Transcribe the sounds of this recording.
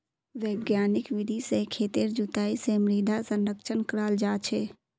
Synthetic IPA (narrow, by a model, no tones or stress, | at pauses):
ʋeːɡjaːnɪkʋɪd̪ʱisekʰeːt̪iɾd͡ʒʊt̪aːisemɾiːd̪ʱasə̃nɾəkʃənkəɾaːld͡ʒaːt͡ʃʰeː